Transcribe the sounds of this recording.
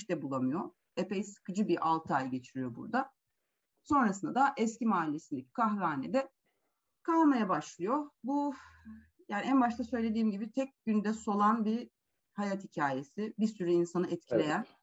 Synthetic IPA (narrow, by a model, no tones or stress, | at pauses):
ʃt̪ɛbulˠamɯjo̞ | epejsɯ̥kʰɯd͡ʒɯbiɾʔalˠt̪ʰajɟe̞t͡ʃʰiɾijo̞bṵɾd̪a | so̞nɾasɯnd̪ad̪aʔɛscimaːilʲːesind̪ɛci̥kʰaxɾaːned̪ɛ | kʰamajabaʃlˠɯjo̞bu | jaːniænbaʃt̪ʰasø̞jlʲe̞d̪iːmɟibit̪ʰɛc̚ɟynd̪ɛso̞lˠanbiɾ | hajat̪hicʰaːje̞sibiɾsyɾyinsanɯɛt̪̚cʰilʲe̞jæn